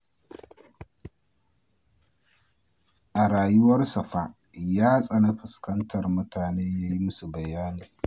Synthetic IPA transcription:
ʔa˨ɽaː˨jʊ˦wɐ˦rsɐ˨ɸa˦ʔ | jaː˦sʼa˨na˦ɸɪ˨skɐ˦ntʰɐ˨rmʊ˦tʰaː˨neː˦ja˦ji˦su˨bɐ˨jaː˦niː˨

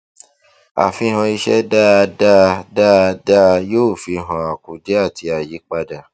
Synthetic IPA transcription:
a̰˨fĩ˧˦˧hã˧i˧ʃɛ̰˦da˦˧da˦˧da˦˧da˦˧joː˦˨fi˧ɦã˧a˨ku˨de˨˦a˦˨tʰi˧a˨ji˨˦k͡pa˧da˨

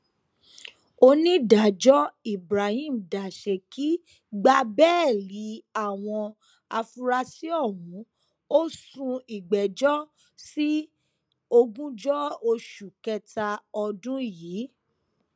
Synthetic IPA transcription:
o˧nĩ˦da˨d͡ʒɔ˦i˨bɾa˨hĩ˦˨m̩˨da˨ʃe˨ki˨˦ | ɡ͡ba˧bɛː˦˨li˨˦a˦˨w̃ɔ̃˧ | a˧fu˧ɾa˧si˦ɔ˦˨wũ˨˦ | o˦sũ˧i˨ɡ͡bɛ˨d͡ʒɔ˦ | si˦ | o˧ɡũ˦d͡ʒɔ˦o˧ʃu˨kɛ˧ta˧ɔ˧dũ˦jiː˨˦

